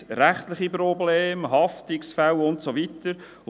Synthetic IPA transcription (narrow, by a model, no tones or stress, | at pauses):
ɾæχt̪lɪχipɾɔbleːmɦɑftɪksfæwʊntsovitəɾ